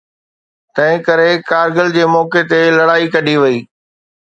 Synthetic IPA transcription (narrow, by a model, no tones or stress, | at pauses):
t̪ɐ̃ɦɪ̃kɐɾekaːɾɡəld͡ʑeːmɔːket̪elɐɽaːikɐɗʱiʋɐiː